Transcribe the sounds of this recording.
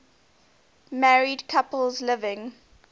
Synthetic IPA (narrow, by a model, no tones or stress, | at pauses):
mæɹidkʰapəlzlɪvɪ̃ŋ